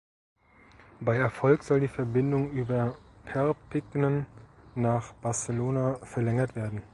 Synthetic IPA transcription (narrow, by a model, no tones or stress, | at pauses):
b̥aɪɛɐfɔlkz̥ɔldiːfɛɐbɪndʊŋʔyːbɐpʰɛɐpʰɪɡnənːaːχb̥aɐsəloːnafɛɐlɛŋɐtv̥eːɐdn̩